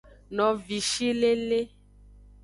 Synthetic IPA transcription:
nɔ̃˨vi˨ʃi˦le˦le˦

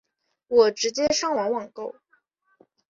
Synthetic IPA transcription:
wɔ˨˩ʈ͡ʂɻ̩˧˥t͡ɕjɛ˥ʂɑ˥ŋwa˧˥nwɑ˥˨˩ŋko˥˩ʊ

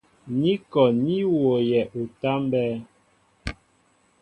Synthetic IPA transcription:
ɲi˦kɔ˨ɲi˦wo˨jɛ˨ʔu˨ta˦m˦bɛː˦

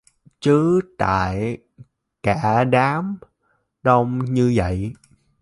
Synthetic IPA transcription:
t͡ɕɨ˨˦t̪a̰ː˧˨j | kaː˧˩ɗaː˨˦m | ɗə˧wŋ͡mɲɨ˧və̰˧˨j

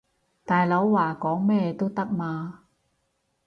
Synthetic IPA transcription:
t̪aː˨jlɐ˨˧˥wwaː˨˩kɔː˨˥ŋmɛː˥t̪o˥wt̪ɐ˥k̚maː˧

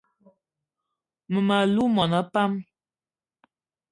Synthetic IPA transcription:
mə˨ma˨lu˦mɔ˨nə˨˦pa˦m

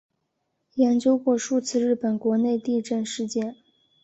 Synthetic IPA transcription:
jɛ˧˥nt͡ɕjo˥ʊkwɔ˥˧ʂu˥˧t͡sʰɹ̩˥˧ɻɻ̩˥˩pə˨˩nkwɔ˧˥ne˥˧ɪt̪i˥˧ʈ͡ʂə˥˧nʂɻ̩˥˧t͡ɕjɛ˥˩n

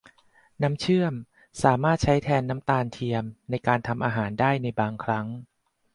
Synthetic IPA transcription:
na˦˥mt͡ɕʰɯ˥˩əm | saː˩˦maː˥˩t̪̚t͡ɕʰa˦˥jt̪ʰɛː˧nːa˦˥mt̪aː˧nt̪ʰi˧əmna˧jkaː˧nt̪ʰa˧mʔaː˧ɦaː˩˦ndaː˥˩jna˧jbaː˧ŋkʰɾa˦˥ŋ

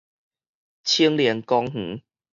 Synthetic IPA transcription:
t͡ɕʰi˦ŋljɛ˨˦nkɔ˦ŋh̩˨˦

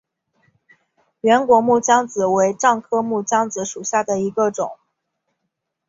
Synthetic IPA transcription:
ɥɛ˧˥nkwɔ˧˥mu˥˩t͡ɕjɑ˥ŋt͡sɹ̩˨˩we˧˥ɪʈ͡ʂɑ˥˩ŋkʰɤ˥mu˥˩t͡ɕjɑ˥ŋt͡sɹ̩˧˥ʂu˨˩ɕja˥˩d̪ə˩i˧˥ɡə˧ʈ͡ʂʊ˨˩˦ŋ

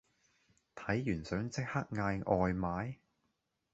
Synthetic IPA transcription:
t̪ʰɐ˨˥jːyː˨˩nsœː˨˥ŋt͡sɪ˥k̚hɐ˥k̚ŋaː˧jʔɔː˧jmaː˨˥j

